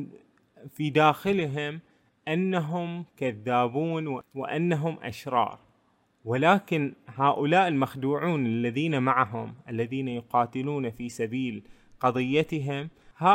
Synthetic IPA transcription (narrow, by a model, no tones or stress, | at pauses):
fid̪aːxɪlɦɪm | ʔanːaɦʊmkaðːaːbuːnwɪwɪ̰ʔanːaɦʊmʔa̰ʃɾˤɑ̰ːɾˤ | wɪlaːkɪnhaːʔʊlaːʔɪlmaxd̪uːʕuːnɪlːaðiːnamaʕaɦʊmʔalːaðiːnajʊqɑːt̪ɪluːnafiːsabiːl | qɑðˤɨjːat̪ɪɦɪmha